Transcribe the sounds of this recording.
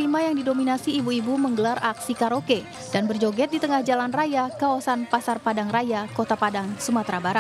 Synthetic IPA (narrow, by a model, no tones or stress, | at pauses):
imajaŋdidominasiːbuibuməŋɡəlarʔaksikaɾoke | d̥anbərd͡ʒoɡɛt̪̚dit̪əŋahd͡ʒalanrajakawasanpasarpadaŋrajakot̪apadaŋsumat̪ɾabaɾat̪̚